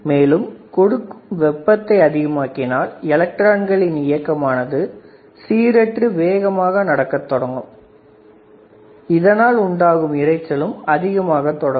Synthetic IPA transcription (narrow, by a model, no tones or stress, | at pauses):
meːlɯmkɔɽɯkːɯmʋɛpːɐt̪ːɐɪɐðɪɣɐmaːkːɪnaːlɛlɐk̚ʈɾaːnɡɐɭɪnɪjɐkːɐmaːnɐðɯ | siːɾɛʈrɯʋeːɣɐmaːɣɐnɐɽɐkːɐt̪ːɔɽɐŋɡɯm | ɪðɐnaːlʊɳɖaːɣɯmɪrɐɪt͡ʃːɐlɯmɐðɪɣɐmaːɣɐt̪ːɔɽɐ